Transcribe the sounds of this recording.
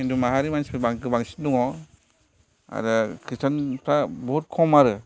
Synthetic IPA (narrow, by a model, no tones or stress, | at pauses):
indumaɦaɾimanspʰɯbaŋkɯbaŋsi̥tduŋɔ | a̰ɾɯkʰistʰanpʰɾabɔt̚kʰɔmaɾɯ